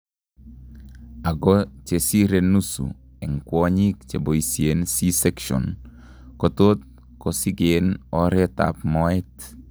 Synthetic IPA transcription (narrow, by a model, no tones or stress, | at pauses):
aɡɔt͡ʃesiɾenusṵ | ɛŋkwɔɲik̚t͡ʃeboisjensisɛkʃɔ̰n | kɔt̪ot̪̚ | kɔsiɡenɔɾeta̰p̚mɔɪt